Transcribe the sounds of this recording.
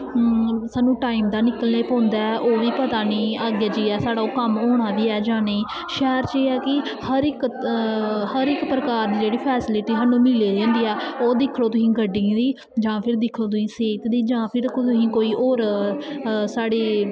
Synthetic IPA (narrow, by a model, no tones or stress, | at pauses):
saːnːũːʈaːiːmd̪aːnɪkəlneːpɔ̃ːnd̪aːɛʔoːʋiːpət̪aːniːaːɡjaːd͡ʒiːɛːsaːɽaːoːkəmoːɽ̃aːb̪iːɛːd͡ʒãːnəiː | ʃɛːɾt͡ʃeːɛːkɪhəɾɪk | həɾɪkpɾəkaːɾd̪iːd͡ʒeːɽiːpʰɛːsɪlɪʈiːsaːnːũːmɪleːd͡ʒɛ̃ːnd̪iːɛːoːd̪ɪkʰloːt̪ʊsĩːɡəɖːĩd̪iː | d͡ʒãːpʰɪɾd̪ɪkʰloːt̪ʊsĩːseːt̪d̪iːd͡ʒãːpʰɪɾt̪ʊsĩːkoːiːʔoːɾ | saːɽeː